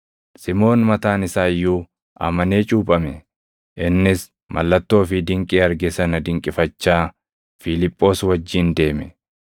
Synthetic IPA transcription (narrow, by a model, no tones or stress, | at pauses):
sɪmo̞ːnmɐt̪aːnɪsaːjːuː | ʔɐ̰mɐne̞ːt͡ʃʼuːpʼɐmɛ | ʔɪnːɪs | mʔɐ̰lːɐt̪ːo̞ːfɪd̪ɪŋkʼiːɐɾɡɛsɐnɐd̪ɪŋkʼɪfɐt͡ʃːaː | fɪlɪpʼːo̞ːswɐd͡ʒːiːnd̪e̞ːmɛ